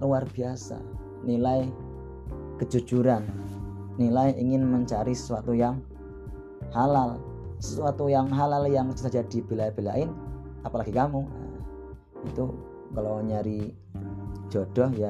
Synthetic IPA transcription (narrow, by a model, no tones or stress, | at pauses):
luarb̥iasa̰ | nilaj | kəd͡ʒṳ̥d͡ʒuɾanː | ilajiŋɪnməɲt͡ʃaɾisə̥suat̪ujaŋ | halalsə̥suat̪ujaŋɦalaljaŋt͡ʃi̥t̪ad͡ʒad̥ib̥elab̥ela̰ʔɪn | apalaɡikamua̰ | it̪u | kaloɲaɾi̥ | d͡ʒ̥ɔd̥ɔhja